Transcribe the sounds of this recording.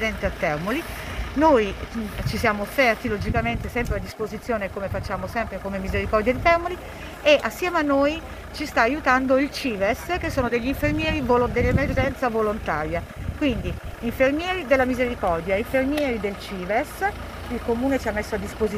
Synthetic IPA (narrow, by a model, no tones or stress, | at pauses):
d̪ɛnt̪eat̪ːɛrmolinojt͡ʃisjaːmoːfːɛrt̪ilod͡ʒikament̪esɛmpɾead̪ːispozit̪sːjoːnekomefat͡ʃːaːmosɛmpɾekomemːizeɾikɔrd̪jad̪it̪ɛrmoli | eʔasːjɛːmeanːoːj | t͡ʃist̪aːjut̪and̪oilt͡ʃiːvɛsk̟esːoːnod̪eʎːiɱfermjɛːɾivold̪elːemerd͡ʒɛnt̪savolont̪a̰ːɾja | kwind̪iiɱfermjɛːɾid̪elːamizeɾikɔrd̪jaiɱfermjɛːɾid̪elt͡ʃiːvɛs | ilkomuːnet͡ʃiamːesːoad̪ːispozi